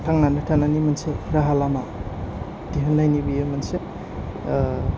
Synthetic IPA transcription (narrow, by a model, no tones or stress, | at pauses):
tʰaŋnanɯtʰananimanseɾaɦalama | diɦɯnːajnibijemanse